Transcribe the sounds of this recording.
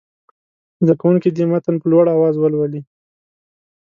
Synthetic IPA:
zd̪akawuŋkid̪imat̪anpəlwaɽawɑzwəlwali

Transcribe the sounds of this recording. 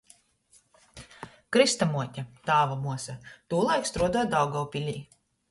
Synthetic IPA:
kɾist̪amuɔtʲat̪aːvamuɔsat̪uːlˠajkst̪ɾuɔd̪uɔd̪awɡawpʲilʲiː

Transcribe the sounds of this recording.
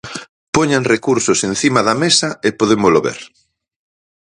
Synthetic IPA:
poɲanrekuɾsʊsẽnθimaðɐmesɐepoðemʊzloβḛɾ

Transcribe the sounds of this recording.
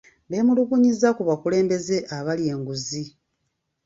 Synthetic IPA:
βe̞ːmuluβuɲizakuβakule̞ːmbe̞ze̞ʔaβalje̞ːŋɡuzi

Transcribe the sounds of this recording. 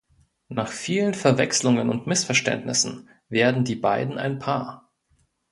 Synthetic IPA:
naːχfiːlənfɛɐvɛkslʊŋənʊntmɪsfɛɐʃtɛ̰ntnɪ̰sn̩ | veːɐdn̩diːbaɪdn̩a̰ɪnpʰaːɐ

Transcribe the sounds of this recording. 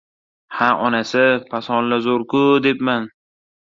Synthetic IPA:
haʔɒnasɪpʰasɒnlazoɾkʊd̪epman

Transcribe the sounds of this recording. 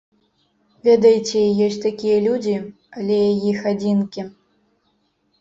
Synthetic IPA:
vʲɛd̪ɐjt͡sʲɛjɔsʲt͡sʲt̪akʲijɐlʲud͡zʲi | ɐlʲɛjajixad͡zʲinkʲi

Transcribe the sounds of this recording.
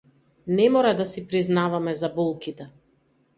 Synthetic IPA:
nɛmɔɾad̪asipɾiznavamɛzabɔlˠkit̪ɛ

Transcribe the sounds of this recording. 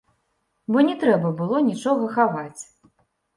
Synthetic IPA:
bɔnʲɛt̪ɾɛbɐbɨlˠɔnʲit͡ʂɔɣɐxavat͡sʲ

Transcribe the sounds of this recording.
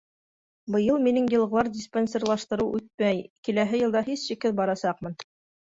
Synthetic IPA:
bɤ̆jɤlˠminɘŋjɤ̆lˠʁɤ̆lˠɑɾdʲɪspenʲsʲerlˠɑʃt̪ɤ̆ɾɤwʔʉt̪̚mæjkilæɦɘjɤ̆lˠd̪ɑhisʃɘ̆kɘðbɑɾɑsɑqmɤn

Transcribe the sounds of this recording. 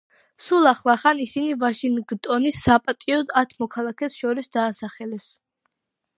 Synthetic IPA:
sulˠaχlˠaχanisinivaʃinɡt̪ʼɔnisːapʼat̪ʼiɔd̪at̪ʰmɔkʰalˠakʰɛsʃɔɾisd̪aːsaχɛlɛs

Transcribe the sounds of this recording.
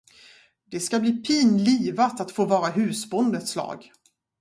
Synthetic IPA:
d̪ɛskabliːpʰiːnliːvat̪at̪foːvɑːɾaɦʉ̟ːsbɔnd̪ət̪slɑ̰ːɡ

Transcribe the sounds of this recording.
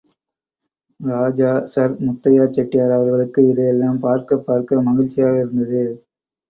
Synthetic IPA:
ɾaːd͡ʒaːsɐɾmʊt̪ːɐjaːt͡ʃːɐʈːɪjaːɾɐʋɐɾɣɐɭɯkːɯɪðɛjɛlːaːmpaːɾkɐpːaːɾkɐmɐɣɪlt͡ʃːɪjaːɣɐɪɾɯnd̪ɐðɯ

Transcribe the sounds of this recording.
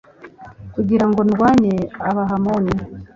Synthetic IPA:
kuɟiɾaŋɡo̞nɡwaːɲeaβaɦamoːne

